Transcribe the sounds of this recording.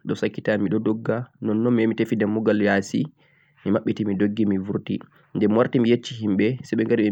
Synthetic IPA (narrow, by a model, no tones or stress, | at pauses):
ɗɔsakːitamiɗɔdɔɡːanɔnːɔmiemitefidamːuɡaljasi | mimaɓːitimidoɡːimivuɾtḭ | ndɛmwaɾtimijet͡ʃːiɦimɓɛsɛɓɛŋɡaɾiɓɛ